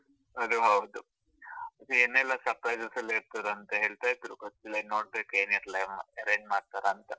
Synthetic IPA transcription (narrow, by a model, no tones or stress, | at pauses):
ɐd̪uɦɐwd̪u | ɐt̪ɐenɛlːɐsɐpɾajd͡ʒɐsɐliɾt̪ɐd̪ɐnt̪ɐɦeːɭt̪aːjt̪ɾukɐtːilɐnoːɽbeːkueːniɾlɐmɐɾeːɲd͡ʒmaːɽ̚t̪aɾɐːnt̪ɐ